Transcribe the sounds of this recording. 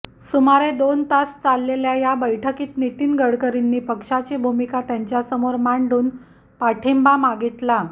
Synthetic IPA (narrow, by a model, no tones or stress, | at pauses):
sumaɾed̪ont̪ast͡salːeljajabəjʈʰəkiːt̪nit̪iːnɡəɽkəɾinːiːpəkʂat͡ɕebʱumikat̪jaɲt͡ɕjasəmoɾmaɳɖuːn | paʈʰembamaɡit̪la